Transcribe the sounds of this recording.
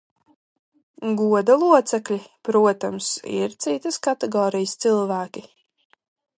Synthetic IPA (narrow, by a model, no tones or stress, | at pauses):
ɡuɔd̪alˠuɔt̪sɛklʲipɾuɔt̪amsḭɾt̪sit̪əskat̪ɛɡɔːɾijəst̪silˠvæːkʲi